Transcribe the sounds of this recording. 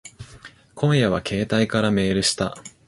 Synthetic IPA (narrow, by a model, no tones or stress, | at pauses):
kʰõ̞ɰ̃jaβ̞akʰe̞ːt̪aikaɾame̞ːɾɯ̟ɕi̥t̪a